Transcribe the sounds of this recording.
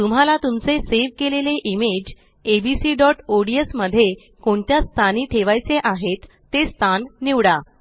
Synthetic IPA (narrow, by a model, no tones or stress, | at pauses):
t̪um̤alat̪umt͡seseʋkeleleʔimed͡ʑ | ebisiːɖɔʈoɽiesməd̪ʱːje | koɳt̪jast̪ʰaniːt̪ʰeʋajt͡seʔaɦet̪ːest̪ʰanːiʋɽa